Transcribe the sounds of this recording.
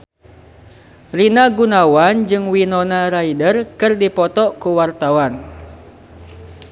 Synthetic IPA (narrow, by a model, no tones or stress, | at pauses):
rinaɡunawand͡ʒɨŋwinɔnaɾaidərkɨrdipɔt̪ɔkuwart̪awan